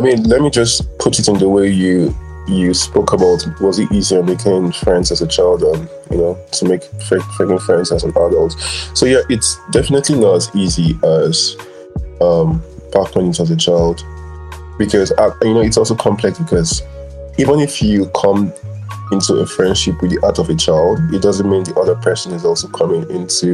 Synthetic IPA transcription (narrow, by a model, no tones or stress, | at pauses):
aɪmĩnlɛt̚mid͡ʒʌspʰʊɾɨɾɨ̃nðəweɪjɨ | jɨspoʊkʰəbaʊtwʌzɨtiziə̃nmeɪkʰɪ̃ŋfɹɛ̃ndzazət͡ʃʰaɪlˠdɹə̃n | jɨ̰noʊtʰəmeɪkfefeɪkɪ̃ŋfɹɛ̃ndzəzə̃nadəlˠtsoʊjæʔɪtsd̥ɛfənɨtʰlinətziziəz̥ | ʌ̃mb̥ak̚ɡ̥õnɪ̃ŋtəzət͡ʃʰaɪlˠd̥ | b̥ɨkʰʌzajɨnoʊɨtsɔlˠsoʊkʰɑ̃mpʰl̥ɛksb̥ɨkʰʌz̥ | ivə̃nɪfjɨkʰʌ̃m | ɪ̃ntʰuəfɹɛ̃nd̥ʃɪpwɨðiʔaɾʌvət͡ʃʰaɪlˠdɪt̚d̥ʌzə̃nmĩnðiʔʌðə˞pʰɜ˞sə̃nɨzɔlˠsoʊkʰʌmɪ̃ŋɪ̃ntʰu